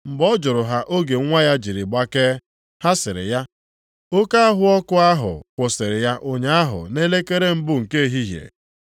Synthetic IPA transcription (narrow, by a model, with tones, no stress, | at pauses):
m̩˨bɔ˦d͡ʒʊ˨ɾʊ˨ɦa˦ʔo˦ɡe˨˦ŋʷa˦ja˦d͡ʒi˨ɾi˨ɡ͡ba˦ke˦ | ha˦sɪ˨ɾɪ̰˨ja˦ | o˦ka˦a˦ɦʊ˦ɔ˦kʊ˦a˦ɦʊ̰˨kʷʊ˨sɪ˨ɾɪ˨ja˦ʔo˦ɲa˦a˦ɦʊ̰˨ne˦le˦ke˦ɾe˦m̩˦bʊ˦ŋ̩˨ke˦e˦˨ɦi˦ɦjḛ˨